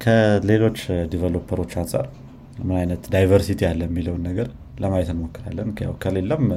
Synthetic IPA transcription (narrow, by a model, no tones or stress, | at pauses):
kʰəle̞lo̞t͡ʃːd̪ivəlo̞pʰːəɾo̞t͡ʃːansʼa̰ɾ | mɨnajnət̪d̪ajvəɾsit̪ʰialːəjmːiləwnːəɡəɾ | ləmajɛt̪ɨnmo̞kːɨɾa̰lːənkʰəja̰wkʰəle̞lːəm